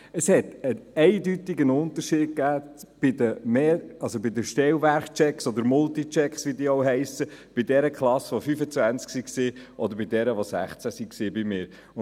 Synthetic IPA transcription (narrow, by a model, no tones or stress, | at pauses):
əshɛt̪ənɛɪd̪yt̪ɪɡənʊnt̪əɾʃiːd̚kæːb̥ɪd̪əmeːɑlsobɪd̪əʃtɛlvæɾχt͡ʃɛksɔd̪əɾmʊlt̪it͡ʃɛksʋidiːoʊɦɛɪsəb̥iɪd̪ɛɾəkχlˠɑsʋofyfət͡svænt͡sksiksiːʔɔd̪əɾbɪd̪ɛɾəʋosæ̰χt͡sæsiksiːbɪmɪːɾ